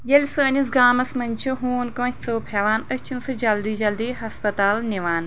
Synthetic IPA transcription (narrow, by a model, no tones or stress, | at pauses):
jelʲsɨɐnʲisɡaːmɐsmɐnʲt͡ʃʰuɦuːnkõːt͡soːpʰeʋaːnət͡ʃʰinsɨd͡ʒɐld̪iːd͡ʒɐld̪iːɦɐspɐt̪aːlnʲiʋaːn